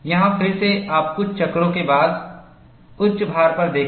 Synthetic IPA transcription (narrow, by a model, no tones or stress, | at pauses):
jɐɦãfɪɾseaːp̚kʊt͡ʃʰt͡ʃɐkɾõkebaːd̪ | ʊtːʃbʱaːɾpɐɾd̪eːk